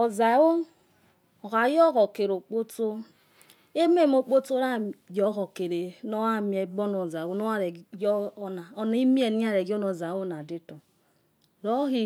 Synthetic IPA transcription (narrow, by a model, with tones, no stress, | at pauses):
o˨za˨˦wo˦ | o˨ɣa˨˦jo˦ɣo˨ke˨ɾo˨k͡po˦to˦ | e˦m˦e˦˨m˦o˨k͡po˦to˦ɾa˦jo˦ɣo˨ke˨ɾe˨no˦wa˦mi˨e˨bo˦no˨za˨wo˦no˦a˦ɾe˨ɡo˦na˨o˦n˦i˦mi˦e˨ni˦a˦ɾe˨ɡo˦no˨za˨˦o˦na˨di˦to˨ | ɾo˦ɣi˦